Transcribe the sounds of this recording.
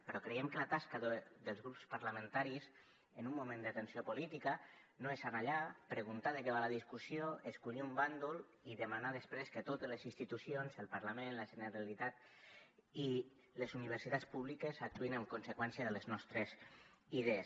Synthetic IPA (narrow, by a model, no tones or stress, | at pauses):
pəɾɔkɾejɛmkəlat̪askaðəðəlˠzɣɾupspaɾlamə̃nt̪aɾis | ənumːumẽnd̪ət̪ənsiopulit̪ikanoesanaʎapɾəɣunt̪aðəkɛβaləðiskusioeskuʎiumband̪ul | iðəmanaðəspɾeskət̪ot̪ezləzinst̪it̪usjonsəlˠpaɾlamenləʒənəɾalit̪at̪̚ | i | lezuniβ̞əɾsit̪at͡spuβlikəzak̚t̪uinəmkunsəkwɛnsjəðələznɔst̪ɾəziðees